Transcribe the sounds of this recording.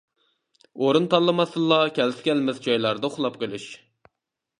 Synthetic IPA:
oɾunt̪ʰɑlˠːɨmɑsɨlˠːɑkʲʰɛlsɪ̥kʲɛlmɪzd͡ʒɑjlˠɑɾd̪ɨχlˠɑpqʰəlˠɪʃ

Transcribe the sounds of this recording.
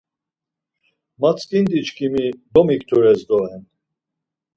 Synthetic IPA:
mat͡skʼind̪it͡ʃkʰʼimid̪ɔmik̚t̪ʰuɾɛzd̪ɔɛn

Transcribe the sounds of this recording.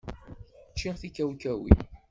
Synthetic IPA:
t͡ʃːiʁθikæwkæwḭ

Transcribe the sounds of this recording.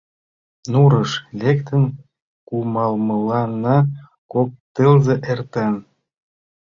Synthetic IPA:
nuɾɤʃlʲekt̪ə̆n | kumɑlmə̆lɑnɑ | kok̚t̪əlzeʔert̪en

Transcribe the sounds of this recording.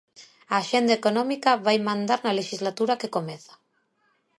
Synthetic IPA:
aːʃend̪aekonomikaβajmãnd̪aɾnaleʃizlat̪uɾakekomeθḁ

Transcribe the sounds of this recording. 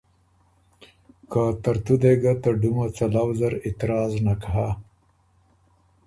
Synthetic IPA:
kat̪aɾt̪ud̪eɡat̪aɖumat͡salawzaɾɪt̪ɪɾɑznakaɦa

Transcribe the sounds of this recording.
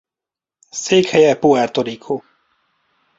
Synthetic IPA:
seːkhɛjɛpuɛrt̪oɾikʰo

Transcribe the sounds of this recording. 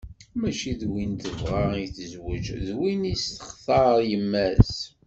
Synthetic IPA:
mæʃiðwint̪əvʁɑiθəzwəd͡ʒðwinist̪ə̥χθɑɾjəmːæs

